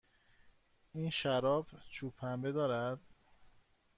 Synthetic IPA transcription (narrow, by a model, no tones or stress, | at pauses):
iːnʃæɾɒːbt͡ʃʰuːpʰæmbed̪ɒːɾæd̪̥̚